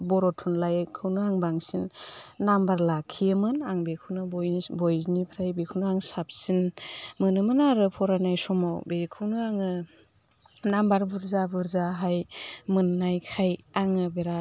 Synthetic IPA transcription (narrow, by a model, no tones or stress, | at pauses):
bɔɾɔtʰunlajkʰɯwnɯaŋbaŋsinːambaɾlakʰːiɯmɯnaŋbekʰɯwnɯbbɔjznipʰɾajbekʰɯwnɯaŋsap̚sinmɯnɯmɯnaɾɯpʰɔɾajnajsɔmawbekʰɯwnɯaŋɯ | nambaɾbuɾzabuɾzaɦajmɯnːajkʰajaŋɯbeɾa